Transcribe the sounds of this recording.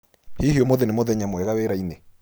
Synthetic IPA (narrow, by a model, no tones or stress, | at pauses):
hihiomoðenemoðɛɲamwɛɣaweɾaine